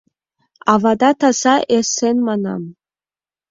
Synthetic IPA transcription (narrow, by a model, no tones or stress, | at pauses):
ɑvɑd̪ɑt̪ɑz̥ɑʔesenmɑnɑ̰m